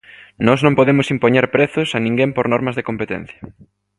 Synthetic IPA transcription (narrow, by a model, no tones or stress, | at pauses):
nɔznõmpoðemʊsimpoɲeɾpɾeθʊsanĩŋɡempoɾnɔɾmɐzðekompet̪ɛ̰n̟θjɐ